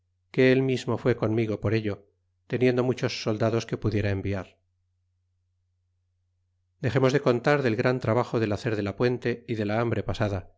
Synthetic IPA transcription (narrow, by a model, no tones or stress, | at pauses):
ke̞elmizmo̞fwe̞ko̞nmiɣ̞o̞poɾe̞ʎo̞ | t̪e̞nje̞nd̪o̞mut͡ʃo̞sːo̞ld̪aðo̞ske̞puðje̞ɾaembiaɾ | d̪e̞xe̞mo̞zðe̞ko̞nt̪aɾðe̞lɣɾant̪ɾaβaχo̞ðe̞laθe̞ɾðe̞lapwe̞nt̪e̞iðe̞laambɾe̞pasaða